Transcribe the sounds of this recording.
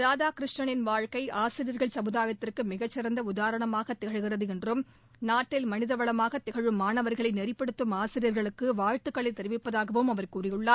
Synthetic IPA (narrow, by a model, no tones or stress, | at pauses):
ɾaːðaːkɪɾɪʂʈɐɳɪnʋaːɻkɐɪʔaːsɪɾɪjɐɾɣɐɭsɐmɯðaːjɐt̪ːɪrkɯmɪɣɐt͡ʃːɪɾɐnd̪ɐʊðaːɾɐɳɐmaːɣɐt̪ːɛɣɐɻɣɪrɐðɯɛndrɯm | naːʈːɪlmɐnɪðɐʋɐɭɐmaːɣɐt̪ːɛɣɐɻɯmːaːnɐʋɐɾɣɐɭɐɪnɛɾɪpːɐɽɯt̪ːɯmaːsɪɾɪjɐɾɣɐɭɯkːɯʋaːɻʈ̪ːɯkːɐɭɐɪt̪ːɛɾɪʋɪpːɐðaːɣɐʋɯmɐʋɐɾkuːrɪjɯɭːaːɾ